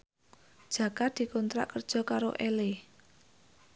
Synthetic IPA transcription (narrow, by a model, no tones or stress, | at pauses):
d̥ʒ̥ä̤kad̪̥i̤kɔnt̪ɾa̰ʔkərd̥ʒ̥ɔ̤kaɾo̰ʔɛle